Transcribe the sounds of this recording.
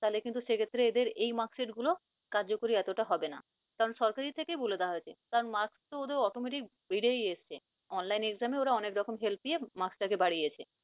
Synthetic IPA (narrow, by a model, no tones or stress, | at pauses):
t̪alekint̪uʃekʰet̪ːɾeed̪eɾejmakseʈɡulo | kaɾd͡ʑokoɾiɛt̪oʈaɦɔbena̰ | kaɾonʃɔɾkaɾit̪ʰekeboled̪aaɦojt͡ɕʰek̪aɾnmakst̪ood̪eɾɔʈomeʈ̬ik̚biɽejeʃt͡ɕʰe | ɔnlajnekzameoɾaɔnekɾɔkomɦelpiemaksʈakebaɽiet͡ɕʰe